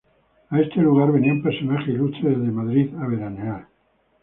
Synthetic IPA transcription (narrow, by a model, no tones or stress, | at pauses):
aest̪eluɣ̞aɾβenempesonaχelut͡ʃeðezðemaðɾiðaβeɾaneal